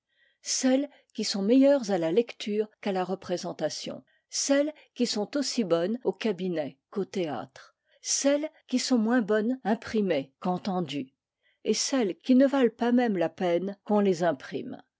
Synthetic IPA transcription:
sɛl | kʲisɔ̃mejœʁzalalɛkt̪ʰyːʁkalaʁəpχezɑ̃t̪asjɔ̰̃ | sɛl | kʲisɔ̃t̪osibɔnokabinɛkot̪ea̰t̪χ | sɛlkʲisɔ̃mwɛ̃bɔnɛ̃pχimekɑ̃t̪ɑ̃d̪y | esɛlkʲinəvalpamɛmlapɛnkɔ̃lezɛ̃pχḭm

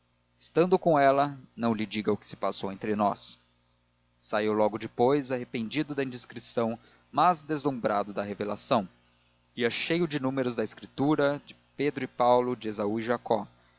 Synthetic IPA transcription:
ɪst̪ɐ̃nd̪ʊkõw̃ɛlɐnɐ̃w̃lɪd͡ʒiɡɐʊkɪ̥sɪ̥pasowẽnt̪ɾɪnɔ̰s | aiwlɔɡʊd͡ʒɪpojzaɦepẽnd͡ʒid̪ʊd̪ɐĩd̪ɪskɾisɐ̃w̃ | mazd̪ezlũmbɾad̪ʊd̪ɐɦevelasɐ̃w̃ | iɐʃejʊd͡ʒɪnũmeɾʊzd̪ɐɪskɾit̪uɾɐd͡ʒɪped̪ɾʊɪpawlʊd͡ʒɪezauiʒakɔ

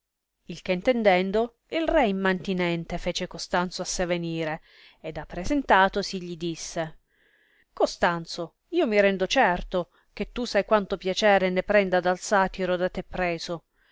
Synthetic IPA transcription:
ilk̟ent̪end̪ɛnd̪o | ilrɛimːant̪inɛnt̪efeːt͡ʃekost̪ant̪soasːeveniːɾe | ed̪apːɾezent̪aːt̪osiʎid̪isːe | kost̪ant̪so | iːomiɾɛnd̪ot͡ʃɛrt̪o | k̟et̪ːusajkwant̪opjat͡ʃɛːɾenepɾɛnd̪ad̪alsaːt̪iɾod̪at̪ːepːɾɛːzo

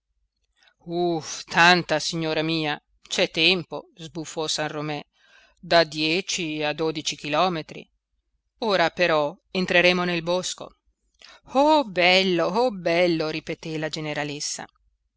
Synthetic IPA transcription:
uft̪ʰant̪asiɲːoːɾamiːa | t͡ʃɛt̪ːɛmpozbufːɔsanromɛ | d̪ad̪jɛːt͡ʃiad̪oːd̪it͡ʃik̟ilɔːmet̪ɾḭ | oːɾapeɾɔ | ent̪ɾeɾeːmonelbosko̰ | ɔbɛlːoɔbɛlːoɾipet̪elad͡ʒeneɾalesːa̰

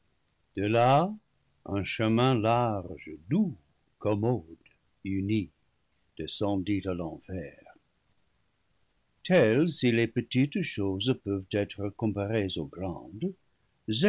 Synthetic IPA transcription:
d̪̥əla | ə̃ʃəmɛ̃laʁʒədu | kɔmɔd | yni | d̥esɑ̃ditalɑ̃fɛːʁ | tʰɛlsilepətitʃozpøvt̪ɛtʁəkɔ̃paʁezoɡlɑ̰̃d | zɛ

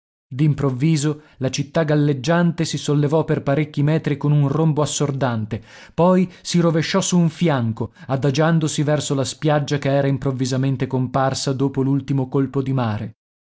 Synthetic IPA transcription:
d̪impɾovːiːzo | lat͡ʃit̪ːaɡalːed͡ʒːant̪esisolːevɔperpaɾekʲːimɛːt̪ɾikonunromboasːord̪ant̪epɔjsiɾoveʃːɔsuːɱfjaŋkoad̪ad͡ʒand̪osivɛrsolaspjad͡ʒːakeɛːɾaimpɾovːizament̪ekomparsad̪oːpolult̪imokolpod̪imaːɾe

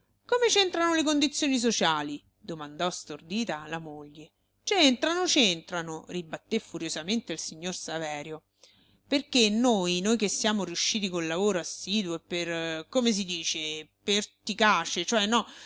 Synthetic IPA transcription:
komet͡ʃent̪ɾanolekond̪it̪sːjoːnis̬ot͡ʃaːli | d̪omand̪ɔst̪ord̪iːt̪alamoʎːe | t͡ʃent̪ɾanot͡ʃent̪ɾanoribat̪ːefːuɾjozament̪eilsiɲːorsavɛːɾjo | perkenːojnojk̟esːjaːmoɾiuʃːiːt̪ikonlavoːɾoasːiːd̪woepːerkomes̬id̪iːt͡ʃepert̪ikaːt͡ʃet͡ʃoɛnːɔ

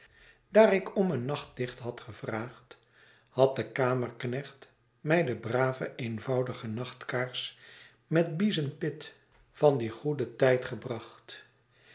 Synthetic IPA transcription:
daːrɪkɔmənːɑχt̚dɪχtɦɑtχəv̥raːχt | hɑt̚dəkaːmərknɛχt | mɛjdəbraːvəʔejnvɑwdəχənɑχtkaːɹs | mɛt̚bizənpɪt | fɑndiχudətɛjtχəbrɑχt

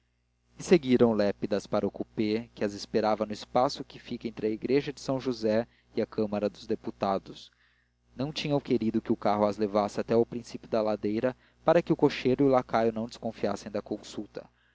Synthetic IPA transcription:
ɪseɡiɾɐ̃w̃lɛpid̪ɐspaɾɐʊkupekɪɐzɪspeɾavɐnʊispasʊkɪfikẽnt̪ɾɪɐiɡɾeʒɐd͡ʒɪsɐ̃w̃ʒuzɛ | ɪɐkɐ̃mɐɾɐd̪ʊzd̪eput̪ad̪ʊs | nɐ̃w̃t͡ʃĩɲɐ̃w̃keɾid̪ʊkɪʊkaɦʊɐzlevasɪat̪ɛawpɾĩsipjʊd̪ɐlad̪ejɾɐ | paɾɐkɪʊkoʃejɾʊiʊlakajʊnɐ̃w̃d͡ʒɪskõfiasẽj̃d̪ɐkõsut̪ɐ̥

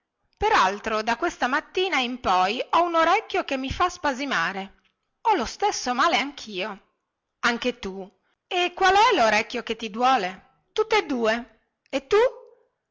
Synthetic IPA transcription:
peɾalt̪ɾod̪akwest̪amat̪ːiːnaimpɔjɔunoɾɛkːjok̟emːifaspazimaːɾe | ɔlost̪esːomaːleaŋkʰiːo | aŋk̟et̪u | ekːwalɛloɾɛkːjok̟et̪ːid̪wɔːle | t̪ut̪ːed̪uːe | et̪ːu

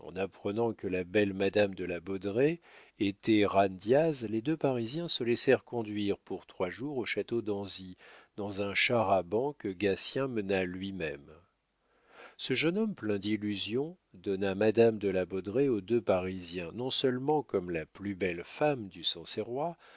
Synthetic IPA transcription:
ɑ̰̃napχənɑ̃kəlabɛlmad̪amd̪əlabɔd̪ʁe | et̪ɛʁand̪jazled̪øpaʁizjɛ̃səlɛsɛʁkɔ̃d̪ɥiʁpuʁt̪χwaʒuʁoʃat̪od̪ɑ̃zid̪ɑ̃zɛ̃ʃaʁabɑ̃kəɡasjɛ̃mənalɥimɛm | səʒənɔmplɛ̃d̪ilyzjɔ̃ | d̪ɔnamad̪amd̪əlabɔd̪ʁeod̪øpaʁizjɛ̃nɔ̃sœlmɑ̃kɔmlaplybɛlfamd̪ysɑ̃seʁwa

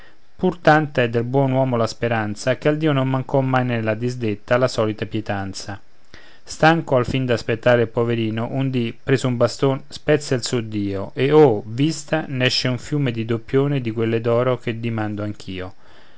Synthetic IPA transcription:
purt̪ant̪aɛd̪ːelbwɔːnwɔːmolaspeɾant̪sakeald̪iːonommaŋkɔmːajnelːad̪izd̪et̪ːalasɔːlit̪apjɛt̪ant̪sa | st̪aŋkoalfind̪aspet̪ːaːɾeilpoveɾiːnoʔund̪ipɾeːzoumbast̪onspɛt̪sːailsud̪iːoʔeovist̪anɛʃːeuɱfjuːmed̪id̪opːjoːned̪ikwelːed̪ɔːɾok̟ed̪imand̪oaŋk̟ʰiːo

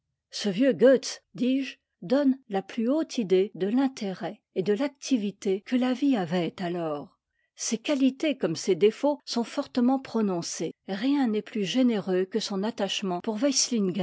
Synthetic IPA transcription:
səvjøɡøt̪sd̪iːʒ | d̪ɔnlaplyot̪ʰid̪ed̪əlɛ̃t̪ʰeʁɛ | ed̪əlak̚t̪ʰivit̪ekəlaviavɛt̪alɔːʁ | sekalit̪ekɔmsed̪efosɔ̃fɔʁt̪əmɑ̃pχɔnɔ̃seʁjɛ̃nɛplyʒeneʁøkəsɔ̃nat̪aʃmɑ̃puʁvajslinɡa

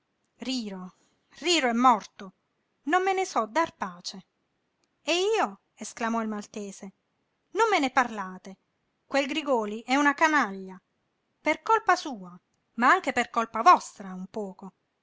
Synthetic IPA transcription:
riːɾo | riːɾoɛmːɔrt̪o | nomːenesɔd̪arpaːt͡ʃe | eiːo | esklamɔilmalt̪eːse | nomːeneparlaːt̪e | kwelɡɾiɡɔːliʔɛunakanaʎːa | perkolpasuːa | maaŋk̟eperkolpavɔst̪ɾaumpɔːko

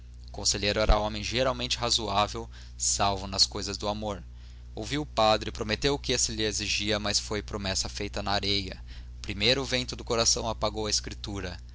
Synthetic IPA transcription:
ʊkõseʎejɾʊɛɾɐõmẽj̃ʒeɾawmẽnt͡ʃɪɦazuavew | sawvʊnɐskojzɐzd̪ʊamoɾ | owviwʊpad̪ɾɪpɾomet̪ewʊkɪesɪlɪeziʒiɐmɐsfojpɾomɛsɐfejt̪ɐnɐːɾejɐ | ʊpɾimejɾʊːvẽnt̪ʊd̪ʊkoɾasɐ̃w̃apaɡowɐeskɾit̪uɾɐ

